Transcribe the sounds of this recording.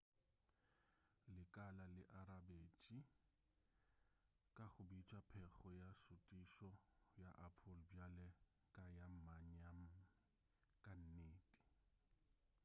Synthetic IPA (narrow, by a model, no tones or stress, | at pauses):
lɪkʼalalɪʔaɾabeːt͡ʃʼi | kʼaχʊbit͡ʃʼwapʰɛɣɔjasʊtʼiʃɔjaʔapʰʊlbjalɛ | kʼajam̩maɲam̩ | kʼan̩neːtʼi̥